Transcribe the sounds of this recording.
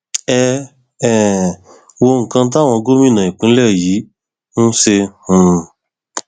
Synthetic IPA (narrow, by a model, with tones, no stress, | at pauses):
ɛ˧ | ɛ˨ | wo˧ŋ̩˨kã˧˦t̬a˦˨w̃ɔ̃˧ɡo˦mĩ˦˨nã˨ĩ˨kũ˨˦lɛ˦˨ji˨˦ | nũ˦se˧hũ˨